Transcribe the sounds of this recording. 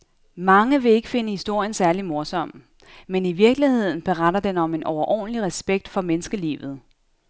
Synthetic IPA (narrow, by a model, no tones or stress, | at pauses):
mɑ̈ŋəʋe̝e̝ɡ̥əfe̝nəhisd̥o̝ɐ̰jənsæɐlimo̝ɐsɒ̽m̰ | meniʋiɐɡ̥lihe̝ð̞̰ˠn̩b̥e̝ʁad̥ɐd̥enɒ̽me̝nʔɒʊɐʔɒ̰ːnəliʁɛsb̥eɡ̥̚d̥fɒ̽menəsɡ̥əlḭːʋð̞̩ˠ